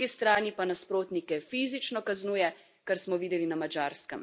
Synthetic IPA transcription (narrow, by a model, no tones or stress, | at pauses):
ist̪ɾaːnipanaspɾoːt̪nikɛfiːzit͡ʃnɔkaznuːjɛ | kaɾsmɔʋiːd̪ɛlinamad͡ʒaːɾskɛm